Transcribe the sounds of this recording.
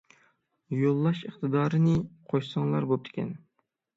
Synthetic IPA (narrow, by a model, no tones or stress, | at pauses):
jolˠːɑʃəχt̪ɨd̪ɑːɾɨnɨqʰoʃsəŋlˠɑɾbop̚t̪ʰɪ̥kʲʰɛ̰n